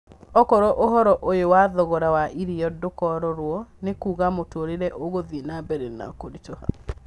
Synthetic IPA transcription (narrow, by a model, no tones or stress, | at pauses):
ɔkɔɾɔʔoɦɔɾɔʔojowaðɔɣɔɾawaʔiɾiɔdokɔɾɔɾwɔnekuːɣamotoɾeɾɛʔoɣoðinabɛɾɛna̰koɾitoha̰